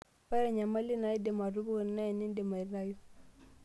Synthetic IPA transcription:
pa˦ɾa˨ɲa˨ma˦li˦na˨i˦de˨ma˨ɾu˦bu˦˨n˨na˦i˨ni˦n˦de˨ma˨ɾna˦ju˦

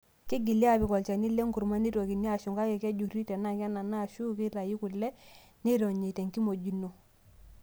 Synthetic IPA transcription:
kɪ˦ɡi˨lja˦˨bɪ˨kɔ˨lt͡ʃa˨nɪ˦le˦ŋku˨ɾma˦ni˦ɾo˨ki˨ni˦a˨ʃu˨ŋɡa˦kɛ˨kɛ˦d͡ʒu˨ri˦tɛ˨na˦kɛ˦na˨na˦˨ʃu˦kɪ˦ɾa˨ji˦ku˨lːɛ˦ | ne˦ɾo˨ɲe˨tɛ˨ŋki˦mo˨d͡ʒi˨˦no˨

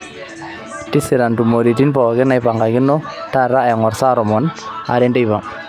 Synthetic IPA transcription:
ti˦sɪ˨ɾa˨ntu˨mo˨ɾi˨ti˦npɔ˨ɡɪ˦na˨jpa˨ŋɡa˨ɡɪ˦nːɔ˦ta˦ɾa˦ɛ˨ŋɔ˨ɾsa˦ɾɔ˨mɔ˨na̰˨ɾɛ˦nde˦jba˨ŋ

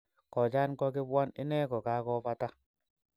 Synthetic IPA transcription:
kɔ˨d͡ʒa˦nkɔ˦k̬ɪ˦bwa˦nɪ̰˦nɛ˦kɔ˨ka˨˦kɔ˦pa˦ta˦

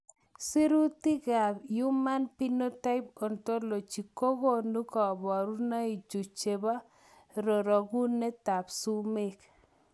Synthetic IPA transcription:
si˦ɾu˦ti˦ɡa˨ju˦ma˦npi˦no˦ta˦ɪ˦p̚o˨nto˦lo˨t͡ʃi˨ko˦ɡo˦nu˦kɔ˨bɔ˨ɾu˦na˦i˨d͡ʒu˨t͡ʃe˨ba˦ | ɾo˨ɾɔ˨ɡu˦ne˦ta˨psu˦me˦k

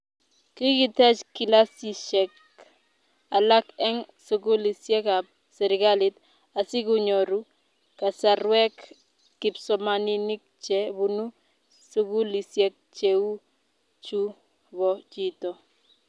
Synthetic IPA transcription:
ki˦kɪ˦tɛ˦t͡ʃki˨la˦si˨ʃɛ˨k | a˨la˦kɛ˦ŋso˨ɡu˦li˨sjɛ˦ka˨ | sɛ˨ɾɪ˨ɡa˦lɪ˦t | a˨sɪ˦kʊ˦ɲo˨ɾu˦ | ka˨sa˨ɾwɛ˦kː | ɪ˨psɔ˨mani˦ni˦k̚t͡ʃɛ˦βu˨nu˦ | su˦ɡu˦li˨sje˦k̚t͡ʃe˨u˦ | t͡ʃu˦ | βɔ˨t͡ʃi˦tɔ˨

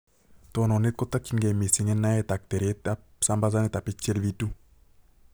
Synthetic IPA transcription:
t̪ono˨ne˦t̪̚kɔ˦t̪ːa˦kːi˦ŋɡɛ˨mi˨si˨ŋɛ˦nːa˦jɛt̪a˨k̚t̪e˨ɾe˦ta | sa˦mba˦z̬a˦ne˦t̪a˨pit͡ʃːe˦lʋitu˦

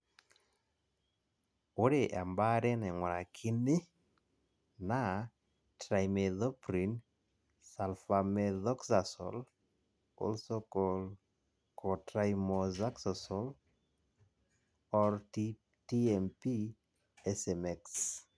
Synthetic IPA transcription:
o˦ɾe˨ʔa̰˨mba˦ɾɛ˦nɛ˨ŋwa˨ɾa˨kʰɪ˦nɪ˦ | na˦ | tɾa˨jmɛ˨ðɔ˦pɾi˨n | sa˨lfa˨mɛðɔ˦ksa˨sɔ̰l | ɔ̰lsokɔl | kʰɔtɾajmɔza˦ksasɔl | ɔɾti | tiɛmpi˦ | ɛsɛmɛks

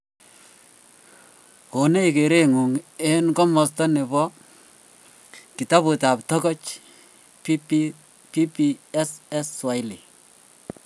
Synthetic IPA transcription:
ko˨ne˦ike˨ɾe˦ŋu˨ŋe˦nkɔ˦mɔ˨stɔ˦ne˨bɔ˦ | ki˨ta˦bu˨ta˨p̚tɔ˦kɔ˦t͡ʃ | pi˦p | pi˦pi˦ɛ˦sɛ˦swa˨jli˨

